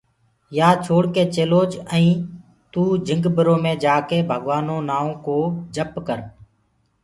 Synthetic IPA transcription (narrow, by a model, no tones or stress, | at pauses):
jaːt͡ʃʰoːɽkeːt͡ʃeːloːd͡ʒə̃ĩː | t̪uːd͡ʒʱɪ̃ŋɡbəɾoːmẽːd͡ʒaːkeːbʱəɠʋaːnõːnaːõːkoːd͡ʒʱəpkəɾ